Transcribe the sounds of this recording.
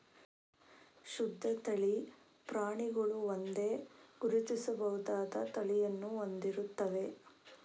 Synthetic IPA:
ʃud̪ʱːɐt̪ɐɭi | pɾaːɳiɡɐɭuond̪e̞ːɡ̥uɾit̪isɐbɐɦud̪aːd̪ɐt̪ɐɭijɐnːuond̪iɾut̪ːɐʋe̞

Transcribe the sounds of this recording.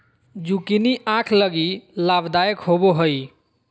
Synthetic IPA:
d͡ʒukiniʔãkʰləɡilabd̪ajəkɦoboɦəj

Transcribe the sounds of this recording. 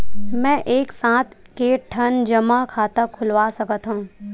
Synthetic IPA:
mɛ̃ʔeːksãːt̪ʰkeʈʰənd͡ʒəmakʰaːt̪əkʰʊlʋasəkət̪ɦũː

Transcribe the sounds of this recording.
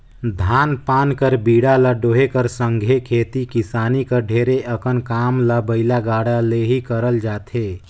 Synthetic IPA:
d̪ʱaːnpaːnkəɾbiːɽaləɖoːɦekəɾsə̃ŋɡʱekʰeːt̪ikɪsaːnikəɾɖʱeːɾeʔəkənkaːmləbəɪlaɡaːɽaleɦikəɾəld͡ʒaːt̪ʰeː

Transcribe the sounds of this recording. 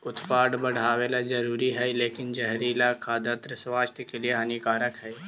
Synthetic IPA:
ʊt̪paːɖbɐɽ̤aːweːlad͡ʒɐɾuːɾiɦɛleːkɪnd͡ʒɛɦɾiːlakʰad̪ət̪ɾəswaːst̪ʰəkelieɦɐnikaːɾəkɦɛː

